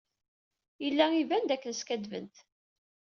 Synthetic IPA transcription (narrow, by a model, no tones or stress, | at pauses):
jəlːæivænd̪ækːənskæd̪və̰nt̪